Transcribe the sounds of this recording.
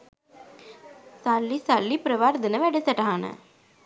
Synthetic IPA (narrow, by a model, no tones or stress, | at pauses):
sɐlːisɐlːipɾɐʋaːɾd̪ɐnɐʋɛɽisɐʈaɐnɐ̰